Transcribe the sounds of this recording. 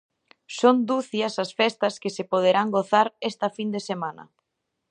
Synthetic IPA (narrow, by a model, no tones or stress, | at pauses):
sond̪uθjɐsɐsfɛst̪ɐskɪsepoð̞eɾaŋɡoθaɾɛst̪ɐfind̪esemanɐ̰